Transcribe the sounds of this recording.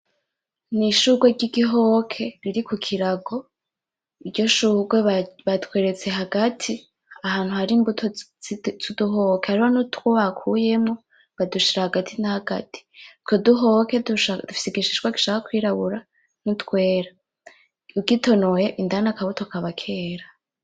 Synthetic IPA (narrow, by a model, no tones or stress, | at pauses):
niʃuɡweɟiɡiɦokʰe̞ɾiɾikukʰiɾaɡo̞ | iɾɟo̞ʃuɡweβatwe̞ːɾe̞t͡se̞ɦaɡatʰi | ahaːn̥huhaɾimbutʰot͡suduɦokeaɾihonutwoβakʰuje̞mŋo | βaduʃiɾahaɡatʰinahaɡ̥a̰ti̥kʰoduɦoke̞duad̥ufi̥siɡiʃiʃɡwaɡi̥ʃaːkakwiːɾaβuɾa | nutkwe̞ːɾa | uɡitʰo̞nojeʔindanakaβutokaβakʰe̞ːɾa